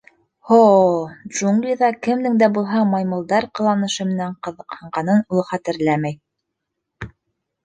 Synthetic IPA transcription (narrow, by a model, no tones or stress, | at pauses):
ho | ʒuŋɡlʲiðɑkɘ̆md̪ɘŋd̪æbulˠɦɑmɑjmŭlˠd̪ɑɾqɤ̆lˠɑnɤ̆ʃɤ̆mɘ̆næɴqɤ̆ðɤ̆qhɤ̆ɴɢɑnɤnulˠɤχæt̪ɘ̆ɾlæmæj